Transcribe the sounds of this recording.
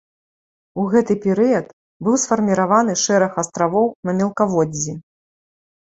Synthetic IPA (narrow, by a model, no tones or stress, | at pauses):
uɣɛt̪ɨpʲɛɾɨjɐt̪ | bɨwsfɐrmʲiɾavanɨʂɛɾɐxɐst̪ɾavɔwnɐmʲɛlˠkavɔd͡zʲːi